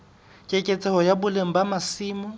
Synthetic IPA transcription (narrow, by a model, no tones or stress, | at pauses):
kʼɪkʼet͡sʼɛhɔjabʊleŋ̩bamasiːmʊ